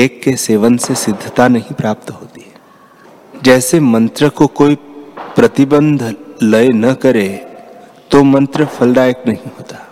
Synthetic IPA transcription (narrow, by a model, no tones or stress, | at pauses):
eːkːeseːʋənsesɪd̪ʱːət̪anɐɦĩpɾaːp̚t̪ɦoːt̪i̥ɛ | d͡ʒɛːsemɐ̃nt̪ɾəkokoːipɾɐt̪ɪbə̃nd̪ʱlɐenɐkɐɾe | t̪omɐ̃nt̪ɾəfʰɐlɖaːjəknɐɦĩɦoːt̪aː